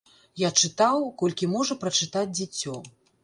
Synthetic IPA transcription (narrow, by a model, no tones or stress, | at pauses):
jat͡ʂɨt̪awkɔlʲkʲimɔʐɐpɾɐt͡ʂɨt̪ad͡zʲd͡zʲɛt͡sʲɔ